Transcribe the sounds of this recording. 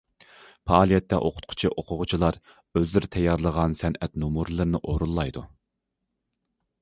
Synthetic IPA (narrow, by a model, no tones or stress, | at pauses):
pɑɑːlˠijɛt̪ːɛ̰ʔoqʰʊ̥t̪̚qʰʊ̥t͡ʃʰiʔoqʰʊʁʊt͡ʃʰilˠɑɾ | øzlɪɾɪt̪ʰɛjːɑɾlˠəʁɑnsɛnʔɛt̪numuɾlˠɨɾnɪʔoɾulˠːɑjd̪u